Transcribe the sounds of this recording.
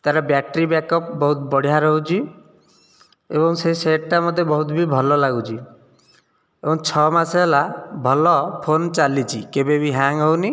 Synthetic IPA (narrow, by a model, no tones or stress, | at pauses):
t̪aɾɔbjak̚ʈɾibakɔpbɔɦut̪bɔɽ̤ijaɾɔɦut͡ʃʰi | ebɔŋseiseʈʈamɔd̪ʱːebɔɦut̪bibʱɔlɔlaɡut͡ʃʰi | ebɔŋt͡ʃʰɔmaselabʱɔlɔpʰont͡ʃalit͡ʃʰikebebiɦaŋɦɔwni